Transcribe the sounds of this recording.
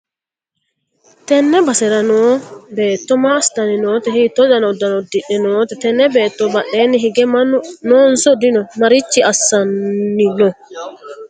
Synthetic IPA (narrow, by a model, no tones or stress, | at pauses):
tɛnːɛbasɛɾanɔbɛːtːɔmaːstaninɔːtɛhitɔɗanɔdanɔdiɗːɛnɔːtɛtɛnːɛbɛtːɔbaɗɛniɦiɡɛmanɔnsɔdinɔmaɾit͡ʃːiasːanːinɔ